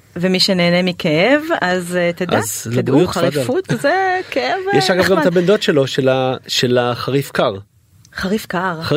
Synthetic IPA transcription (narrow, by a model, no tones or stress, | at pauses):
vemiʃeneːnemikʰeevazt̪ed̪azled̪uuχaʁiɡfut̪zekeevjɛʃaɡavɡamt̪abend̪o̞tʃelo̞ʃelaʃelaχaʁifkaʁ | χaʁifkaʁ